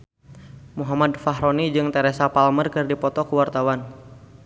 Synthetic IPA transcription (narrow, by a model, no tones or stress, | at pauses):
muɦamadfaɦɾɔnid͡ʒɨŋt̪ɛɾɛsapalmərkɨrdipɔt̪ɔkuwart̪awan